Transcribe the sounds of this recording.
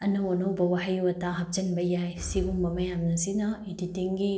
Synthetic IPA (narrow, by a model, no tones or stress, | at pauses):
ɐnɐwonɐwbɐwaɦajuwɐtaɦɐp̚d͡ʒɐnbɐjajsibuŋbɐmɐjamnɐsinɐeditiŋɡi